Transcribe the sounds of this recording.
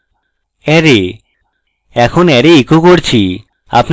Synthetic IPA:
ɛɾe | ɛkʰonɛɾeikokoɾt͡ɕʰi | a̰pn

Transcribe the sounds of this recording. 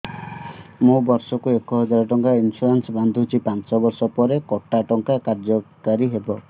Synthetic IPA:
mũbɔɾsɔkuekɔɦɔd͡ʒaɾɔʈɔŋkainsuɾensɔband̪ʱuɦut͡ʃʰipant͡ʃɔbɔɾsɔpɔɾekɔʈaʈɔŋkakaɾd͡ʒɔkaɾiɦebɔ

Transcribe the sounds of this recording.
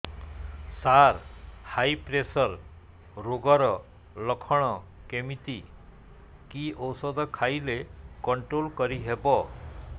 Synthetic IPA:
saɾhajpɾesɔɾ | ɾoɡɔɾɔ | lɔkʰɔɽ̃ɔ | kemit̪i | kiʔɔwsɔd̪ɔkʰajlekɔɳʈɾolkɔɾiɦebɔ

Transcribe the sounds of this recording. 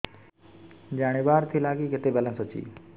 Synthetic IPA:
d͡ʒaːɽ̃ebaːɾt̪ʰiːlaːɡiːkɪt̪ebɛlə̃nsot͡ʃḭː

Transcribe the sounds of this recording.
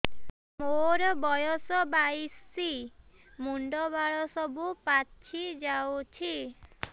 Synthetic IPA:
moɾɔbɔjɔsɔbajsːi | muɳɖɔbaɭɔsɔbupat͡ʃʰid͡ʒawt͡ʃʰi

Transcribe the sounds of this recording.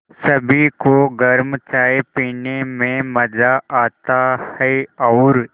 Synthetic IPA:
sɐbʱikoɡɐɾmt͡ʃaːepiːnemẽmɐzaaːt̪ahɛeɔːɾ

